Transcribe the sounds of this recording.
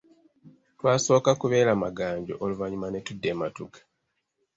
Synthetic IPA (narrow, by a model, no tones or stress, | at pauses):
twaːso̞ːkakuβe̞ːɾamaɡaːɲɟo̞ʔoluvaɲumanetudːeːmatukḁ